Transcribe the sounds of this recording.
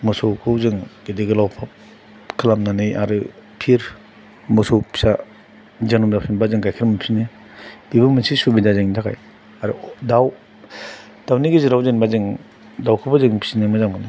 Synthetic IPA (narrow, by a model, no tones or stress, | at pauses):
mɔsowkʰɯwzɯŋɡ̥ediɡɯlawpʰap̚ | kʰɯlamnanɯjʔaɾɯpʰiɾ | mɔsowpʰi̥sa | zanumdawpʰsʰinbazɯŋkajkʰɯɾmɯpʰi̥sine | b̥ibɯmɯsisubidazeŋntʰakʰa̰j | aɾɯdaw | d̥awniɡiziɾawzenbazɯŋ | dawkʰɯbazɯŋpʰi̥sinemɯzamɡɯni